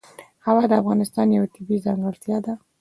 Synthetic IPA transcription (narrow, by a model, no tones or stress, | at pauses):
hawɑd̪əafɣɑnɪst̪ɑnjawat̪ɪbizɑŋɡəɾt̪jɑd̪a